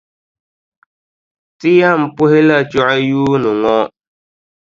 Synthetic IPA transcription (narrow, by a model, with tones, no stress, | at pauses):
tɪ˦ja˦˨m̩˨pʊ˦hɪ˦la˦˨t͡ʃɔ˦ʔa˦juː˦nʊ˨ŋɔ˦